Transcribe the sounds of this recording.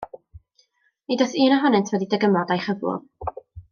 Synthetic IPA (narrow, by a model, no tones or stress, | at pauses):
idɔθɨːnəɦɔnɛntʰwɛdidɛɡəmɔdajχəvʊ̰